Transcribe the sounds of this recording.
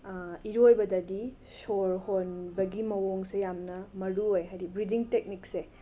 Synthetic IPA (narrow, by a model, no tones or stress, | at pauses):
iɾojbɐdɐdi | soɾhonbɐɡimɐwoŋsejamnɐmɐɾuojɦaɾibɾidiŋtek̚nikse